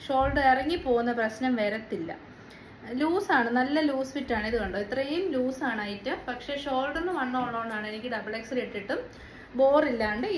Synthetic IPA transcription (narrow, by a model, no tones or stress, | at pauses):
ʂo̞ːlɖɐirɐŋːipːo̞ːɣunːɐprɐɕnɐmʋe̞ːɾɐt̪ːilːɐ̰ | luːsaːɳɨnɐlːɐluːsfitːaːɳiðukoɳɖɨit̪rɐjumluːsaːɳaːjitːɨpɐkʂe̞ʂo̞ːlɖɐrnːɨʋɐɳːoːɳoːɳːaːɳɨe̞nikʲːɨɖɐbɐɭeksɨleʈːiʈːɨm | bo̞ːrilːaɳɖɨ